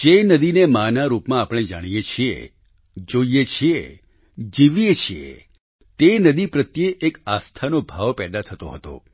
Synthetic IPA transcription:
d͡ʒenəd̪inemanaɾupmãːpɽ̃ed͡ʒa̰ɽ̃ijet͡ʃʰiḛ | d͡ʒoijet͡ʃʰie | d͡ʒiʋjet͡ʃʰiḛ | t̪enəd̪ipɾət̪jeʔekast̪ʰanobʱaʋpɛd̪at̪ʰət̪oɦət̪o̰

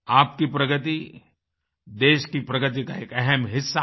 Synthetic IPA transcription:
aːp̚kipɾɐɡət̪̬i | d̪eːʃkipɾɐɡət̪̬ikaeːkɛɦɛmɦɪsːa

